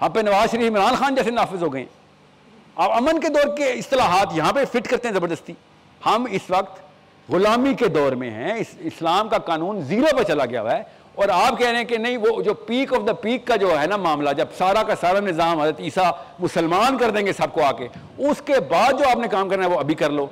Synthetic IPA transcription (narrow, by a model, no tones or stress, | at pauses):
ɦɐãːpenɐʋaːzʃəɾiːfɪmɾaːnxaːnd͡ʒɛːsenaːfɪzɦoːɡɐẽɦɛ̃ː | aːpɐmənked̪ɔːɾkeɪst̪ɪlaːɦaːt̪jɐɦãpefɪʈkɐɾt̪ẽɦɛ̃zɐbəɾd̪əst̪iː | hɐmɪsʋɐk̚t̪ | ɣʊlaːmiked̪ɔːɾmḛ̃ɦɛ̰̃ɪsɪslaːmkakaːnũːnziːɾapɐɾt͡ʃɐlaɡɪja̰ɦɛ | ɔːɾaːp̚kɛɦɾẽɦɛ̃kenɐɦĩʋoːd͡ʒoːpiːkɔːfd̪əpiːkːad͡ʒoːɦɛnamaːmlad͡ʒɐbsaːɾakasaːɾanɪzaːmɦɐd̪ɾət̪iːsamʊsəlmaːnkɐɾd̪ẽːŋɡesɐb̚koaːke | ʊskebaːd̪̚d͡ʒoːaːpnẽkaːmkɐɾnaɦɛʋoɐbʱikɐɾloː